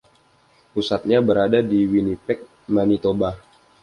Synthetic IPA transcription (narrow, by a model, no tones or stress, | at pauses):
ʔusat̪̚ɲabəɾadadiwinipɛk̚ | manit̪oba